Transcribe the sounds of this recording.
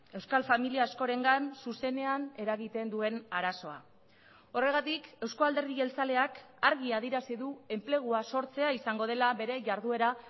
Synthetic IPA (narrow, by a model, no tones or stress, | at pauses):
e̞wskalfamiliaːsko̞ɾe̞ŋɡansuse̞ne̞ane̞ɾaɣit̪e̞nd̪ue̞naɾaso̞a̰ | o̞re̞ɣ̞at̪ike̞wskoald̪eɾð̞iɣe̞lt͡sale̞ak | aɾɣ̞iaðiɾasiðue̞mple̞ɣ̞uaso̞ɾt͡se̞aisaŋɡo̞ð̞e̞laβe̞ɾe̞ʝaɾðue̞ɾa